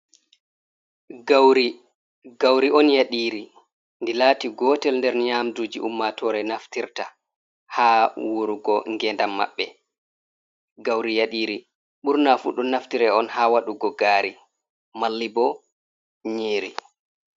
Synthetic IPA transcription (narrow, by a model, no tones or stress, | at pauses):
ɡawɾi | ɡawɾiɔnjaɗiːɾi | ndilaːtiɡɔːtɛlndɛɾnɲaːmdud͡ʒiʔumːatɔɾɛnaftiɾta | haːwuɾuɡɔŋɡɛndamːa̰ɓːɛ | ɡawɾijaɗiːɾi | ɓuɾnafuɗɔnaftiɾɛɔnhaːwaɗuɡɔɡaːɾi | malːibɔ | ɲeːɾi